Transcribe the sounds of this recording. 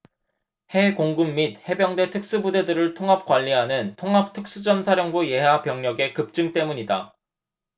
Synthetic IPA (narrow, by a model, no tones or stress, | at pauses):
he̞koŋɡɯmːit̚he̞bjʌŋdwe̞tʰɯk̚s͈ubude̞dɯɾɯɭtʰoŋɦap̚k͈waʎːiɦanɯntʰoŋɦap̚tʰɯk̚s͈ud͡ʑʌnsʰaɾjʌŋbuje̞ɦapjʌŋɲʌɡe̞kɯp̚t͡ɕ͈ɯŋt͈e̞muɲida